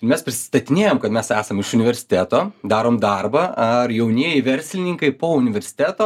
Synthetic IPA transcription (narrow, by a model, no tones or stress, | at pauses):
ɪɾmʲɛspʲɾʲɪsʲɪ̥st̪ɐt̪ʲɪnʲeːjoːmkɐt̪mʲɛsæːsɐmɪʃʊnʲɪʋʲɛɾʲsʲɪ̥t̪ʲæːt̪oːd̪ɑːɾoːmd̪ɑrbɐːɐrjɛʊnʲiɛjɪʋʲɛɾʲsʲlʲɪnʲɪːŋkɐɪpoːʊnʲɪʋʲɛɾʲsʲɪ̥t̪ʲæːt̪oː